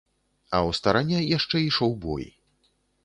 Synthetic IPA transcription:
ɐwst̪aɾanʲːɛjaʂt͡ʂɛiʂɔwbɔ̰j

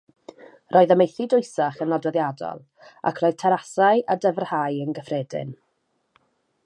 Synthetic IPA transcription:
rʔoːɨðəmejθɪdʊɨsaχənɔdwɛðjadɔ̰lˠ | a̰kʰroːɨð̥tʰɛɾasajʔadəvərhajənɡəfrɛːdɪ̰n

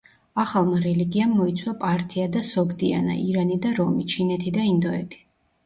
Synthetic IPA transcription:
aχalˠmaɾɛliɡiamːɔit̪sʰwapʼaɾt̪ʰiad̪asɔɡd̪ia̰na̰ʔiɾanid̪aɾɔmit͡ʃʰinɛt̪ʰid̪aind̪ɔɛt̪ʰi̥

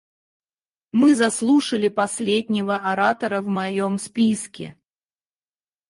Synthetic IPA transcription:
mɨzɐslˠuʂəlʲɪpɐsʲlʲed̪ʲnʲɪvəɐɾat̪əɾəvmɐjomspʲiskʲɪ̰

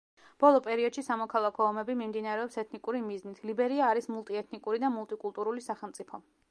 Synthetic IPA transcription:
b̥ɔlˠɔpʼɛɾiɔd̪̥ʃisamɔkʰalˠakʰɔːmɛbimimd̪inaɾɛɔpsɛt̪ʰnikʼuɾimiznit̪ʰlibɛɾiaːɾismulˠt̪ʼiɛt̪ʰnikʼuɾid̪amulˠt̪ʼikʼulˠt̪ʼuɾulisaχɛlˠmt̪sʼipʰɔ

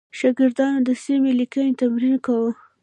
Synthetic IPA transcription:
ʃɑɡɪɾd̪ɑnod̪əsimelikənet̪amɾinkawə

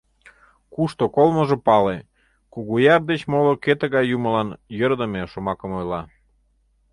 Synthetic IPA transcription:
kuʃt̪okolməʒĕpɑle | kuɣujɑrd̪et͡ɕmoloket̪ə̆ɣɑjːumə̆lɑnjərd̪əmeʃomɑkə̆mojlɑ

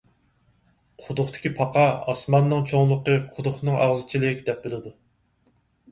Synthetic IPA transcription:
qʰʊd̪ʊχt̪ʰɪ̥kʲipʰɑqʰɑɑsmɑnːɨŋt͡ʃʰoŋlˠəqəqʰʊd̪ʊχnɨŋʔɑʁzɨt͡ʃʰilɪkʲd̪̥ɛp̚bɪlɪd̪u

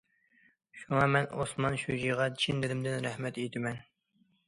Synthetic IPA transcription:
ʃuŋɑmɛnosmɑnʃud͡ʒiʁɑt͡ʃʰind̪ɪd̪ɪmd̪ɪnɾɛhmɛt̪ejt̪ʰɪmɛn

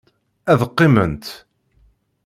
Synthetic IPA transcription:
æðəqːɪmənt̪

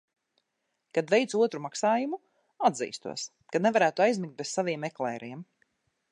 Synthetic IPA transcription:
kad̪vejt̪suɔt̪ɾumaksaːjumu | ad̪zḭːst̪ṵɔs | kanevaɾæːt̪uajzmik̚t̪̚bessaviɛmeklˠɛːɾiɛm

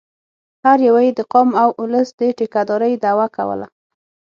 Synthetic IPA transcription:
haɾjawajid̪əqomawʔʊləsd̪əʈikad̪ɔɾəjd̪awaka̰wə̰la̰

